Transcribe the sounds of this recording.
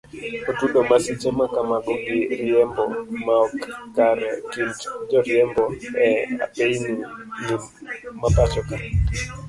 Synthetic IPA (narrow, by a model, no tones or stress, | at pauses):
ɔtuɗɔmasit͡ʃɛmakamaɡɔɡiɾiɛmbɔmaɔkːaɾɛtintd͡ʒɔɾiɛmbɔɛa̰ɓejninimmapat͡ʃɔka